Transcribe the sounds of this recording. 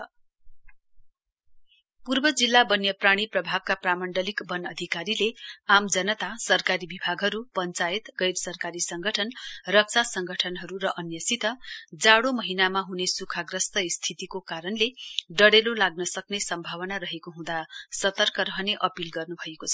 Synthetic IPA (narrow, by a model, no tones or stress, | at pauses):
purbʌd͡zilːabʌnjʌpraɽ̃iprʌbʱab̚kapramʌɳɖʌlikbʌnʌd̪ʱikaɾileamd͡zʌnʌt̪asʌrkaɾibibʱaɡɦʌɾupʌnt͡saet̪ɡʌjɾsʌrkaɾisʌŋɡʱʌʈʰʌnrʌk̚t͡sʰasʌŋɡʱʌʈʰʌnɦʌɾuɾʌʔʌnjʌsit̪ʌd͡zaɽomʌɦinamaɦunesukʰaɡrʌst̪ʌist̪ʰit̪ikokaɾʌnleɖʌɽelolaɡ̚nʌsʌknesʌmbʱawʌnaɾʌɦekoɦũd̪asʌt̪ʌrkʌɾʌɦneʔʌpilɡʌrnubʱʌekot͡sʰʌ̥